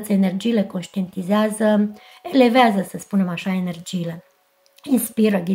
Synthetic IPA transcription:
t̪səene̞rd͡ʒiːle̞ko̞nʃt̪ient̪izeazə | e̞le̞veazəsəspune̞maʃae̞ne̞rd͡ʒiːle̞ | inspiɾəɡʲi

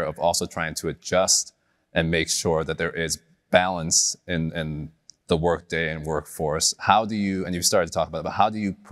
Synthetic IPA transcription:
ʌvɔlˠsoʊtʰɹ̥aɪɪ̃ŋtʰɨɨd͡ʒʌst | ʔɨ̃nmeɪkʃʊɹðɨt̪̚ðə˞ʔɪz | b̥ælˠə̃nsɪ̃nɪ̃n | ðəwɜ˞k̚d̥eɪɨ̃nwɜ˞kfɔɹshaʊdɨjɨɨ̃njɨv̥stɑɹɨd̚tʰətʰɔkəbaʊɾbaʊhɦaʊdɨjɨpʰ

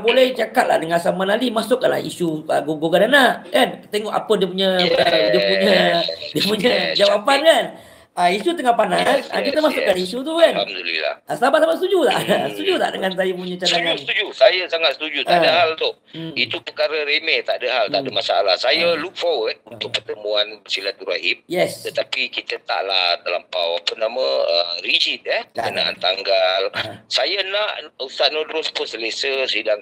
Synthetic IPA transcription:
bolɛht͡ʃakat̪̚la̰hdəŋasamanalimasʊʔkanla̰hḭsuəɡoɡokadanaʔkant̪eŋɔʔa̰pədiəp̬uɲəədiəpuɲədiəpuɲəd͡ʒawapankan | aisut̪əŋapanasa̰kit̪əmasʊʔkːanisut̪̬ukanmolḭla̰əsəlabat̪slabat̪sət̪ud͡ʒut̪a̰ʔsət̪ud͡ʒut̪aʔdəŋans̬ajapuɲãt͡ʃadaŋãst̪ud͡ʒusajasaŋat̪̚sət̪ud͡ʒut̪adahalt̪ʊh | it̪upəkaɾəɾemet̪aʔdəɦalt̪aʔdəmasaalahsajəluk̚fɔwəd̚unt̪ʊk̚pərt̪əmuansilat̪uɾaim̚jɛst̪ət̪apikit̪ət̪a̰ʔlahd̪alampawapənaməə̰mɾid͡ʒit̪̚əhpəkəna̰ʔa̰nt̪aŋɡalsajənaʔust̪aʔ̪̚nodɾʊspʊnsələsəsidaŋ

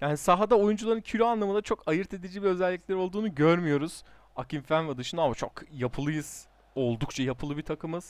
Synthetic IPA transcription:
jaːnisaɦad̪ao̞jund͡ʒulˠaɾɯncʰyɾʲyanlˠamɯnd̪at͡ʃʰo̞kajɯɾt̪ʰe̞d̪id͡ʒibiø̞zɛlʲːiclʲæɾo̞lˠd̪uːnuɟøɾmyjo̞ɾuz̥ | akimfænvɛd̪ɯʃɯnamat͡ʃʰokjapʰɯlˠɯjɯz̥ | o̞lˠd̪ukt͡ʃʰajapʰɯlˠɯbit̪ʰakʰɯmɯz̥

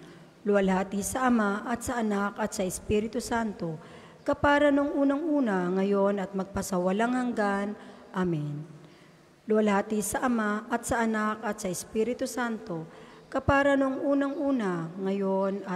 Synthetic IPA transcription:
lʊɐlhaːt̪isɐʔɐmaʔɐt̪̚sɐʔɐnakɐt̪̚sɐɪspiɾɪt̪ʊsant̪o̞ | kɐpaːɾɐnoŋʔuːnɐŋʔuːnɐŋɐjo̞nɐt̪̚mɐɡ̚pɐsɐwɐlaŋhɐŋɡanʔamɛn | lʊwɐlaːt̪isɐʔɐmaʔɐt̪̚sɐʔɐnakɐt̪̚sɐɪspiːɾɪt̪ʊsant̪o̞ | kɐpaːɾɐnoŋʔuːnɐŋʔuːnaŋɐjonɐ

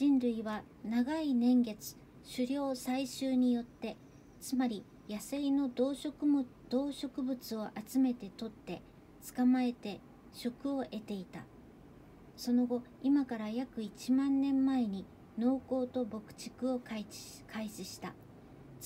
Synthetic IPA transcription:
d͡ʑĩnɾɯ̟iβa | naɡainẽ̞ŋɡe̞t͡sɨ̥ | ɕɨɾʲjo̞ːsaiɕɨːɲ̟ijo̞t̪ːe̞ | t͡sɨmaɾʲi | jaseino̞d̪oːɕok | d̪̥o̞ːɕo̞kɯ̟bɯ̟t͡sɨo̞ʔat͡sɨme̞t̪e̞t̪o̞t̪ːe̞ | t͡sɨ̥kamae̞t̪e̞ | ɕo̞kɯ̟o̞ʔe̞t̪e̞it̪a̰ | so̞no̞ɡo̞imakaɾajakɯ̟it͡ɕimãnːẽ̞mːae̞ɲ̟i | no̞ːko̞ːt̪o̞bo̞kɯ̟̥t͡ɕi̥kɯ̟o̞kai | kʰaiɕiɕi̥t̪a̰

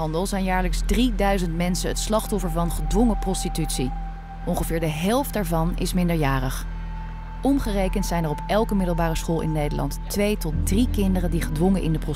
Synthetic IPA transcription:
ɑndəlˠzɛjnjaːɹləkzdridœɥzəntmɛnsənətslɑχtɔfəɹvɑnχədʋɔŋəprɔstitytsi | ʔɔŋχəvɪːɹdəɦɛlˠftdaːɹvɑnɪ̰smɪndəɹjaːrəχ | ʔɔmχərejkəntsɛjnɛrɔpɛlˠkəmɪdəlˠbaːrəsχoːlˠɪ̰nːejdəlʔɑ̰ntː | ʋejtɔt̚drikɪndərəndiχədʋɔŋənʔɪ̰ndəprɔ

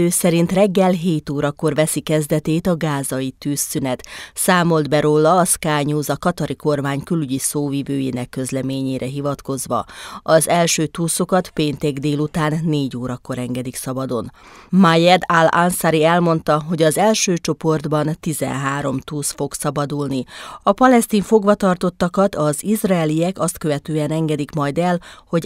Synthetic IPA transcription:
øːsɛɾint̪rɛɡːɛlɦeːt̪oːɾɒko̞rʋɛsikɛzd̪ɛt̪eːt̪ɒɡaːzɒjit̪yːsːynɛt̪saːmo̞ld̪bɛɾoːlːɒːskaːɲuːzɒkɒt̪ɒɾiko̞rmaːɲkylyɟisoːvivøːjḛːnɛkːø̞zlɛmeːɲeːɾʔɛɦivɒt̪ko̞zʋɒ̰ɒzɛlʃøːt̪uːso̞kɒt̪peːnt̪ɛɡd̪eːlut̪aːnːeːɟoːɾɒkːo̞ɾɛŋɡɛd̪iksɒbɒd̪o̞n | majɛd̪alansaɾiɛlmo̞nt̪ɒɦo̞ɟɒzɛlʃøːt͡ʃo̞po̞rd̪bɒnt̪izɛ̰nɦaːɾo̞mt̪uːsfo̞ksɒbɒd̪ulniɒpɒlɛst̪iːɱfo̞ɡʋɒt̪ɒrt̪o̞t̪ːɒkɒt̪ɒzizraɛliɛkɒst̪køvɛt̪øːɛnɛŋɡɛd̪ikmɒjd̪ɛlho̞ɟ

